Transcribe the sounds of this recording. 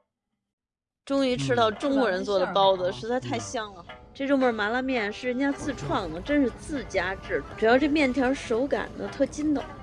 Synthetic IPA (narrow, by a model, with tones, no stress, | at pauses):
ʈ͡ʂʊ˥ŋy˧˥ʈ͡ʂʰɻ̩˥t̪ɑ˥˩ʊʈ͡ʂʊ˥ŋkwɔ˧˥ɻə˧˥nt͡swɔ˥˩d̪ə˩pɑ˥ʊdə˩ʂɻ̩˧˥t͡sa˥˧ɪt̪ʰa˥˩ɪɕjɑ˥˩ŋə˨˩ʈ͡ʂʈ͡ʂʊ˧˥ŋmə˞˨˩ma˧˥la˥mjɛ˥˩nʂɻ̩˥˩i˥nt͡ɕja˥t͡sɹ̩˥˧ʈ͡ʂʰwɑ˥˩ŋd̪ə˩ʈ͡ʂə˥nʂɻ̩˥˧t͡sɹ̩˥˩t͡ɕja˥ʈ͡ʂɻ̩˥˩ʈ͡ʂɻ̩˨˩jɑ˥˧ʊʈ͡ʂɤ˥˧mjɛ˥˩nt̪ʰjɑ˧˥ʂo˧˥ʊka̰˨˩nd̪ə̰˦t̪ʰɤ˥˩t͡ɕi˥nd̪ə̰˨˩